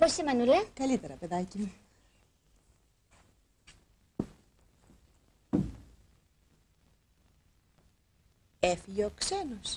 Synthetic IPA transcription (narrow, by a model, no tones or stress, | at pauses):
posimɐnulɐkɐlit̪e̞ɾɐpe̞ðɐci | efiʝeoksenos